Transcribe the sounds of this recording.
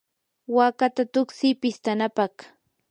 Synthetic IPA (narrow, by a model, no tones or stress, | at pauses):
waːkat̪at̪ʊksɪpɪst̪anapaχ